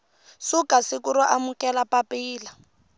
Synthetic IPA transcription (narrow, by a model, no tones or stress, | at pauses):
sukasɪkuɾɔʔamukɛlapapiːla